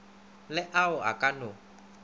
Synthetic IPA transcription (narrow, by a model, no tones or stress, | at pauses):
lɪʔaʊa̰kʼano